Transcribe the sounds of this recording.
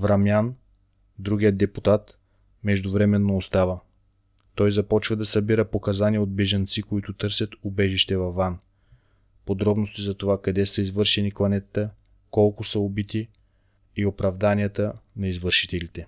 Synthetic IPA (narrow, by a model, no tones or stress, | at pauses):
vɾɐmjan | d̪ɾuɡʲijəd̪ɛput̪at̪ | mɛʒd̪ʊvɾɛmɛnːoːst̪avə | t̪ɔjzɐpɔt͡ʃvɐd̪ɐsɐbiɾəpokɐzaniɛod̪̚bɛʒɐnt̪sikoit̪ʊt̪ɤɾsʲjɐt̪ʊbɛʒiʃt̪ɛvɐvːan | pod̪ɾɔbnost̪izɐt̪ovakɐd̪ɛsəizvɤɾʃɛniklˠɐnɛt̪t̪ə | kɔlˠkʊsəobit̪iː | opɾɐvd̪anijət̪ənɐizvɤɾʃi̥t̪ɛlit̪ɛ